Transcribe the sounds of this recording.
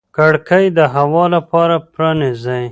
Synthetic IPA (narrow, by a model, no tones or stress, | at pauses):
kaɽkəjd̪əɦawɑlapɑɾapɾɑnizaj